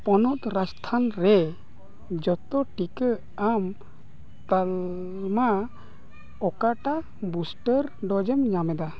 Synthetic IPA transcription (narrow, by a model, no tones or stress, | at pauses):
pɔnɔt̪ɾast̪ʰanɾɛ | d͡ʒɔt̪ɔʈikə | am | t̪al | ma | ɔkaʈa | busʈəɾɖɔd͡ʒɛmɲamɛd̪a